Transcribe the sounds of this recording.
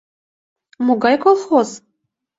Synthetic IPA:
muɡɑjkolˠxoz

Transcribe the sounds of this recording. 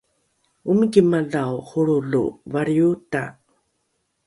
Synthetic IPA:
umikimaɮawχuɭuɮṵvaɾiuta̰

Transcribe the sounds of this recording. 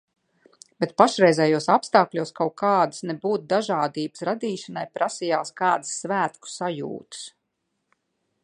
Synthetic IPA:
bɛt̪̚paʃɾɛjzɛjuɔsapst̪aːklʲuɔskawkaːd̪ɨsnɛbuːt̪̚d̪aʒaːd̪iːbɨsɾad̪iːʃanajpɾasijaːskaːd̪ɨsːvæːt̪ku̥sajṵːt̪ɨ̥s

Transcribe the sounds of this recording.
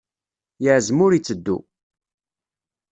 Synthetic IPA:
jəʕzmʊɾit͡sːəd̪ːṵ

